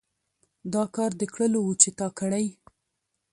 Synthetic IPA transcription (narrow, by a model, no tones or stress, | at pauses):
d̪ɑkɑɾd̪əkɽəlowut͡ʃet̪ɑkəɽaj